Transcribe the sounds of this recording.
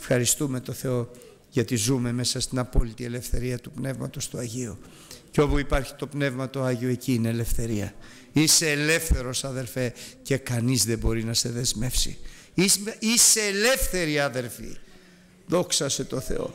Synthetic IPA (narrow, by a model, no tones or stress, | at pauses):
fxɐɾist̪ume̞t̪o̞θe̞o̞ | ʝɐt̪izume̞me̞sɐst̪inɐpo̞lit̪ie̞le̞fθe̞ɾiɐt̪upne̞vmɐt̪o̞st̪uɐʝio | ceo̞puipɐɾçi̥t̪o̞pne̞vmɐt̪o̞ɐʝioeciːneːle̞fθe̞ɾiɐ | ise̞ːle̞fθe̞ɾo̞sɐðe̞lfe̞cekɐnizðebo̞ɾinɐse̞ðe̞zme̞fsḭ | iise̞ːle̞fθe̞ɾiɐðe̞ɾfḭ | ðo̞ksɐse̞t̪o̞θe̞̰o̞̰